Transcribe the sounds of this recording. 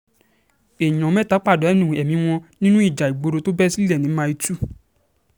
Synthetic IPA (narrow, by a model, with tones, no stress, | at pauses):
e˨ɲɔ̃˨˦mɛ̃˦˨ta˨˦k͡pa˦˨dɔ˨˦ɛ˦nĩ˦˨ɛ˨mĩ˨˦w̃ɔ̃˧nĩ˦nũ˦i˦˨d͡ʒa˨i˨ɡ͡bo˧ɾo˧to˦bɛ˦si˦lɛ˦˨nĩ˨˦mã˧i˧tu˦˨